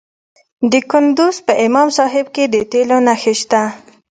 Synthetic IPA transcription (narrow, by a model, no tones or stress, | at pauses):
d̪əkʊnd̪uzpəʔɪmɑmsɑɦɪb̚ked̪ətelonaxeʃt̪a